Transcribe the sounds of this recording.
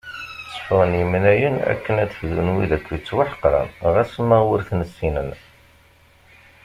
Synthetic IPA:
θə̥fəʁənjəmnæjənæ̰kːənæðfðunwiðækʷːit͡sːwaħə̥qɾˤɑ̰nʁæsəmːəʁwəɾθnəsːinən

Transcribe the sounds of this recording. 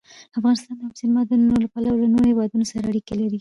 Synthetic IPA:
afɣɑnɪst̪ɑnd̪əabsɪlmɑd̪ənunolapalawlanoɾhewɑd̪unosaɾaːɽikelaɾi

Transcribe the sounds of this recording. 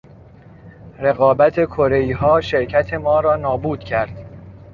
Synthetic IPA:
ɾe̞ɣɒːbæt̪ʰe̞kʰoɾe̞iːɦɒːʃe̞ɾcʰæt̪ʰe̞mɒːɾɒːnɒːbuːd̪̥cʰæɾd̪̥

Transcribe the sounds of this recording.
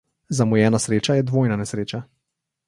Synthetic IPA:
zamɔjɛːnasɾeːt͡ʃajɛd̪ʋoːjnanɛsɾeːt͡ʃa

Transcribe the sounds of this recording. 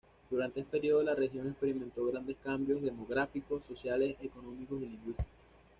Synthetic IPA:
d̪̥uɾant̪eesepeɾio̞ðolare̞xjo̞nekspe̞ɾimẽnt̪o̞ɣɾand̪e̞skambjo̞zðe̞mo̞ɣɾafiko̞sːo̞sjale̞se̞ko̞no̞miko̞siliŋɡwist̪ikos

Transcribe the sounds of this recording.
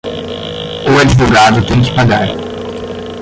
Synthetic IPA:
uad͡ʒivoɡad̪ʊt̪ẽj̃kɪ̥paɡaɾ

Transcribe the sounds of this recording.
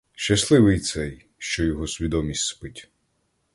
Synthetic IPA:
ʃt͡ʃɐslˠɪʋɪjt̪sɛj | ʃt͡ʃɔjɔɦɔsʲʋʲid̪ɔmʲisʲtʲspɪtʲ

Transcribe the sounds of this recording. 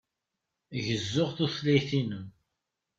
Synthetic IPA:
ʝəzːʊʁθuθlæjθinəm

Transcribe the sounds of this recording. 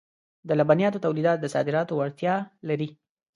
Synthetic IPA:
d̪əlabanjɑt̪ot̪awlid̪ɑt̪̚d̪əsɑd̪ɪɾɑt̪oaɽt̪jɑlaɾi

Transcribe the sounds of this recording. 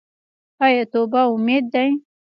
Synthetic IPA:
ajat̪obaʊmed̪̚ːaj

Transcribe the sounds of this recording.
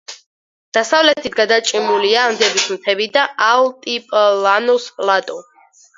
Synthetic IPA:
d̪̥asavlɛt̪ʰit̪ɡad̪at͡ʃʼimuliaːmd̪ɛbismt̪ʰɛbid̪aʔalt̪ʼipʼlanɔspʼlat̪ʼɔ

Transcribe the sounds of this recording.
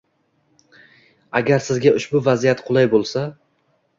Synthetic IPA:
aɡʲaɾsɪzɡʲaʊʃbʊvazijat̪qʰʊlˠajbolˠsa

